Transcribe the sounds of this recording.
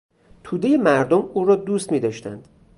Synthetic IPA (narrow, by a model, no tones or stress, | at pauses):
t̪ʰuːd̪e̞jemæɾd̪omuːɾɒːd̪uːst̪miːd̪ɒːʃt̪æ̰nd̪̥